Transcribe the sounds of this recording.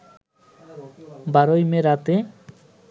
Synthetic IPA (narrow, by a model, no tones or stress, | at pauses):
baɾojmeɾat̪e